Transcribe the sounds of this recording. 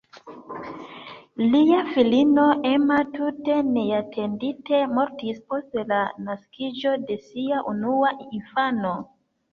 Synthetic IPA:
liafilino̞ʔe̞matute̞ne̞atʰe̞ndite̞mo̞ɾtispo̞stlanaskʰid͡ʒo̞de̞siaʔunuainfano̞

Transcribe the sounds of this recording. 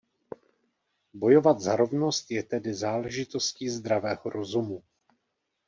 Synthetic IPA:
bo̞jo̞vat̪zaɾo̞vno̞st̪jɛt̪ɛdɪzaːlɛʒɪt̪o̞sciːzd̪ɾavɛːɦoɾo̞zumu

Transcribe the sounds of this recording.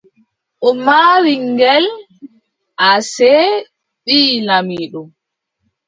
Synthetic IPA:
ʔɔmaːwiŋɡɛl | ʔasɛ | ɓiːlamiːɗɔm

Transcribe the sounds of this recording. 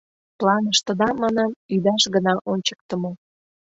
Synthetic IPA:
plɑnəʃt̪ə̆d̪ɑmːɑnɑmyd̪ɑʃɡənɑʔonʲt͡ɕə̥k̚t̪əmo

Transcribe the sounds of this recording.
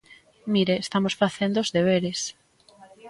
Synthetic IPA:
miɾeːst̪amosfaθend̪oozðeβ̞eɾes

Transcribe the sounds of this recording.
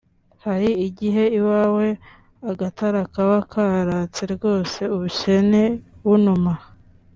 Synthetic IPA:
haɾiːɟiɦe̞iwaːwe̞ | aɡataɾakaβakʰaɾat͡seɾɡo̞ːse̞uβuce̞neβunuma

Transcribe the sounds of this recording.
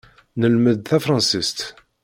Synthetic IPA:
nəlməðθæfɾˤɑ̃nsist̪

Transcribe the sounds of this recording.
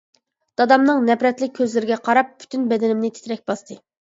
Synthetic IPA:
d̪̥ɑd̪ɑmnɨŋnɛpɾɛt̪lɪk̚ʲʰːøzlɪɾɪɡʲɛqʰɑɾɑp̚ːʰy̥t̪ʰynbɛd̪ɛnɪmnɪt̪ʰe̥t̪ʰɾɛk̚ʲbɑst̪ʰɨ

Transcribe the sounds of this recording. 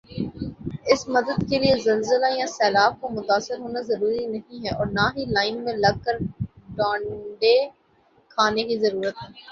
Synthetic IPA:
ɪsmɐd̪əd̪keliezɐlzəlajãsɛːlaːb̚komʊt̪aːsːɪɾɦoːnazɐɾuːɾinɐɦĩɦɛʔɔːɾnaɦilaːɪnmẽlɐɡ̚kəɾɖãːɳɖe | kʰaːnekizɐɾuːɾət̪ɦɛː

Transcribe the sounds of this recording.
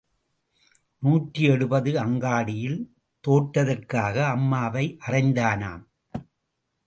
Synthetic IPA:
nuːʈriɛɽɯbɐðɯɐŋɡaːɽɪjɪl | t̪oːʈːɐðɐrkaːɣɐːmːaːʋɐɪʔɐrɐɪnd̪aːna̰ːm

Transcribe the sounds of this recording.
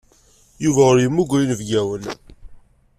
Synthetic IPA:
juvæʊɾjəmːuɡʷæjinvɡæwən

